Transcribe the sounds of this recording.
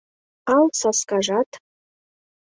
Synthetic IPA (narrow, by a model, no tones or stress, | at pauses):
ɑlsɑskɑʒɑt̪